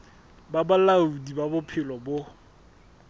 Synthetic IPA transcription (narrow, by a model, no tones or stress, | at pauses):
babalaudibabʊpʰɪlɔbʊ